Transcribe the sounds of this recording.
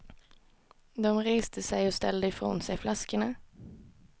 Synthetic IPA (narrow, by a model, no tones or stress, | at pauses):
d̪ɔmɾeːst̪ʰəsɛjɔst̪ɛ̰ld̪əɪfɾo̰ːnsɛjflaskəɳa